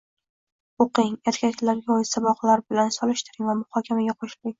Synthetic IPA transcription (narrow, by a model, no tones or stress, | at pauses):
oqɪŋeɾkʲʰakʲʰlaɾɡʲaɒjɪsabɒqlaɾbɪlansɒlˠɪʃt̪ɪɾɪŋvamʊhɒkʲʰamaɡʲaqʰoʃɪlɪŋ